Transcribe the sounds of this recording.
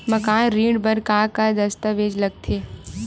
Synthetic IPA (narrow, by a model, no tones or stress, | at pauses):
mɐkaːnɾiːɖbəɾkaːkad̪ɐst̪əʋeːd͡ʒlɐɡ̚t̪ʰeː